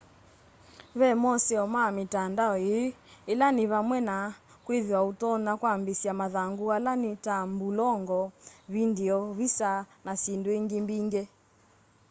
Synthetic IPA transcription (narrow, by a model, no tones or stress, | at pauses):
βɛmɔsɛɔmamitandaɔeɛlaniβamwɛna | kweðiwautɔnakwambisiamaðaŋɡualanitambulɔŋɡɔβindiɔβisanasindweŋɡimbiŋɡɛ